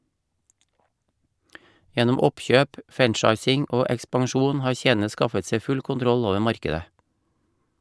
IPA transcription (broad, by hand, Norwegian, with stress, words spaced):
ˈjɛnʊm ˈɔpˌçøːp ˈfænˌt͡ʃɑɪsɪŋ ˈoː ɛkspɑŋˈʃuːn ˈhɑːɾ ˈçeːn̩ə ˈskɑfət ˈsɛ ˈfʉl kʊnˈtɾɔl ˈoːʋə ˈmɑɾkədə